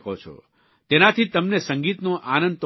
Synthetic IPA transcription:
kʰot͡ʃʰɔ̰ | t̪enat̪ʰit̪əmnesəŋɡit̪nõʔanə̃nd̪t̪

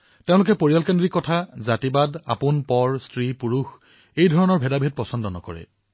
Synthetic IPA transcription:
teʊ̃lʊkɛpoɹijalkendɹikːɔtʰazatibada̰punpɔɹstɹipuɹux | ejdʱɔɹɔnɔɹbʱɛdabʱet̚pɔsɔndɔnɔ̰kɔ̰ɹɛ̰

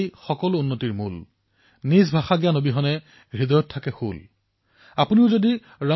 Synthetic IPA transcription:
jxɔkɔlʊunːotiɹmul | nizbʱaxaɡijanobiɦɔnɛ | ɹid̪ɔjɔtʰːakɛxṵl | apuniʊzodi | ɹa

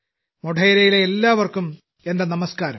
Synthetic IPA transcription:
moʈɐjiɾɐjileelːaːʋɐrkum | e̞nd̪ɐnɐmɐskaːɾɐm

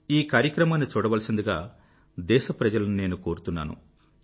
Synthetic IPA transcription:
iːkaːɾjɐkɾɐmaːnːit͡ʃuːɽɐʋɐlɐsind̪uɡa̰ː | d̪ɛːʃɐpɾɐd͡ʒɐlɐnune̞ːnuko̞ːɾut̪unːa̰ːnṵ

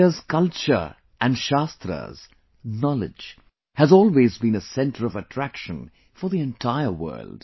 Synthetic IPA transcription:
əz̥kʌlˠt͡ʃə̰˞ | ʔæ̃nɖʃast̪ɾə̰z̥ | nɑlɪ̰d͡ʒ | hɨzɔːlˠwezbĩnəsɛ̃ntʰə˞ʌvətʰɹ̥ækʃə̃n | fə˞ðiɛ̃ntʰaɪəwɜ̰˞ld̥

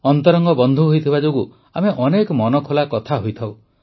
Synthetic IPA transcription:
ɔnt̪ɔɾɔŋɡɔbɔnd̪ʱuɦojt̪ʰibad͡ʒoɡu | ameʔɔnekɔmɔnɔkʰolakɔt̪ʰaɦojt̪ʰaw

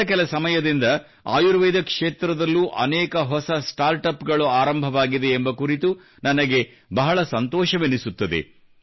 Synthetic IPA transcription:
ɐk̬ɛlɐsɐmɐjɐd̪ind̪ɐ | a̰ːjuɾʋeːd̪ɐkʂeːt̪ɾɐd̪ɐlːuːʔɐ̰nɛːkɐɦɔsɐsʈaːɾʈɐpɡɐɭuaːɾɐmbʱɐʋaːɡid̪e̞ːmbɐkuɾit̪u | nɐnɐɡe̞ | bɐɦɐɭɐsɐnt̪ɔːʃɐʋenisut̪ːɐd̪e̞̰

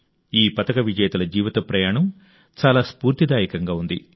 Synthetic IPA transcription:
iːpɐt̪ɐkɐʋid͡ʒɐjɐt̪ɐlɐd͡ʒiːʋɐt̪ɐpɾɐjaːɳɐm | t͡ʃaːlaːspuːɾt̪id̪aːjɐkɐŋɡaːund̪ḭ

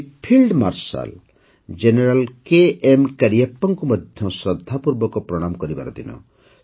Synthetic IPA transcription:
pʰilɖma̰ɾsa̰l | d͡ʒeneɾalkeʔemkaɾijapːɔŋkumɔd̪ʱjɔsɾɔd̪ʱːapuɾbɔkɔpɾɔɽ̃amkɔɾiba̰ɾɔt̪inɔ̰

